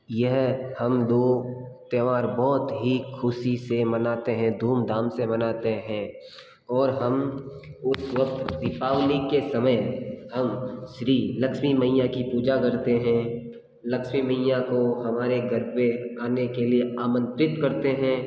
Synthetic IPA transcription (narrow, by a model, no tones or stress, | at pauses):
jɛɦhɐmd̪oːt̪eʋaːɾbɔːt̪ɦikʰʊsisemɐnaːt̪eɦɛ̃d̪ʱuːmd̪ʱaːmsemɐnaːt̪eɦɛ̃ː | ɔːɾɦɐmʊsʋɐk̚t̪d̪ɪpaːʋlikesɐməjhɐmʃɾiːləkʃmimɐɪjãkipuːd͡ʒakɐɾt̪eɦɛ̃ | lɐkʃmimɐɪjãkoɦɐmaːɾeɡəɾbeaːnekelieaːmə̃nt̪ɾɪt̪kɐɾt̪eɦɛ̃ː